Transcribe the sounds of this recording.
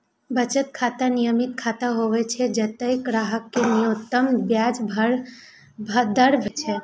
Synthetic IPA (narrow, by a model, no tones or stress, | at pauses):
bət͡ʃət̪̚kʰat̪ənijəmit̪̚kʰat̪əɦoʋɛt͡ʃʰɛd͡ʒət̪əjkɾaɦəkːenijot̪ːəmbjad͡ʒbʱəɾ | d̪əɾbʱt͡ʃʰɛ